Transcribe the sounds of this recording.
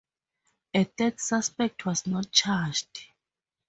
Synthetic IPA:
ɛθɛdsaspɛk̚tʰwɔznɔt̚t͡ʃʰad͡ʒd

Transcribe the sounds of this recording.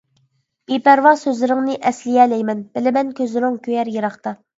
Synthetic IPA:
b̥epæɾwɑsøzlɪɾɪŋnɨʔɛslɪjɛːlɛjmɛnb̥ɪlɪmɛnkʲʰøzlɪɾɪŋkʲʰøjɛɾjeɾɑχt̪ɑ

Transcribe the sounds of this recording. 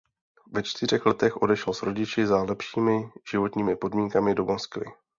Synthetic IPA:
vɛt͡ʃt̪ɪr̝ɛxlɛt̪ɛxʔo̞dɛʃɛlsɾo̞ɟɪt͡ʃɪzalɛpʃiːmɪʒ̥ɪvo̞t̪ɲiːmɪpo̞dmiːŋkamɪdo̞monskvɪ̰

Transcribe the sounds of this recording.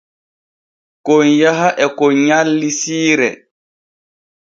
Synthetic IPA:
kɔnjaɦaʔɛkɔɲalːisiːɾɛ̰

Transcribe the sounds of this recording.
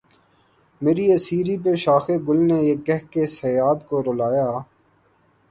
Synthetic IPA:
meːɾiːəsiːɾiːp̬eːʃaːxeɡʊlneːeːkːɛɦkesejaːt̪koːɾolaːjaː

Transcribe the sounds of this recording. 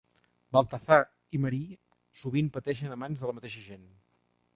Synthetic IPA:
bəlˠt̪əθa | iməɾi | suβimpət̪ɛʃənəmanzðələmət̪eʃəʒen

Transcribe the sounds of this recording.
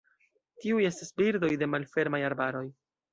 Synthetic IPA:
tiuje̞stisbiɾdo̞jde̞malfe̞ɾmajaɾbaɾo̞j

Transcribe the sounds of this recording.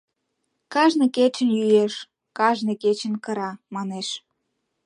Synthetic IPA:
kɑʒnɤket͡ɕə̆njyjeʃ | kɑʒneket͡ɕənkəɾɑmɑneʃ

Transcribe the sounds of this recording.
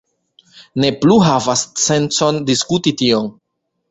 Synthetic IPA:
ne̞pluɦavast͡se̞nt͡so̞ndiskutitio̞n

